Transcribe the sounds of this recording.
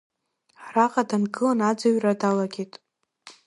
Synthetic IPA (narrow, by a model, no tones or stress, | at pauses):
raqʼadanɡɨlanad͡zaɥradalaɡʲetʼ